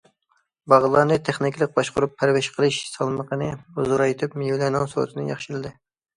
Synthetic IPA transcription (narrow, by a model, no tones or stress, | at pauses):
bɑʁlˠɑnɨt̪ʰeχnɪkʲlˠəq̚bɑʃqʊɾupʰːæɾvɪʃqʰəlˠɨʃsɑlˠməqʰənɨuzɨɾɑjt̪ʰɪpmijlɛnɑŋso̰t̪ʰɨnɨ̰jɑ̰χʃɪlɨd̪ɨ